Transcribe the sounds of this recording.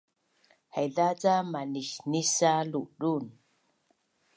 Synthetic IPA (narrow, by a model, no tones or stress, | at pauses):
hajðat͡samaniʃnisaluɗun